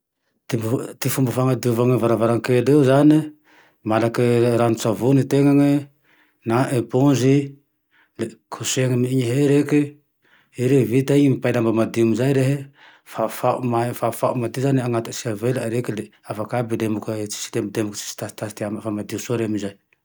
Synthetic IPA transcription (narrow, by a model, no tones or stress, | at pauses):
t̪ibt̪ifumbəfaŋad̪iuvaŋəvaɾavaɾaŋkeleuzani | malakiɾanut͡savunit̪eŋaŋi | naʔepõzi | lekʰuseŋimiiɲiɦeɾeki | iɾevit̪aiɲimipajlambamad̪iumizajɾeɦe | fafaumafafaʔumad̪izaniaŋat̪ḁsiavelaɾekileafakabilemukət͡ʃi̥si̥lembid̪emukə̥t͡ʃi̥si̥t̪asi̥t̪ast̪iamafamad̪isoɾemizaj